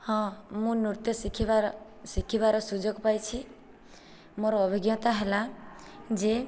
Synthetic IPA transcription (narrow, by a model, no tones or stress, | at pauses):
hɔ̃mũnuɾt̪jəsikʰiβaɾ | sikʰiβaɾasud͡ʒɔɡpajt͡ʃʰi | moɾɔɔbʱiɡjɔt̪aɦela | d͡ʒe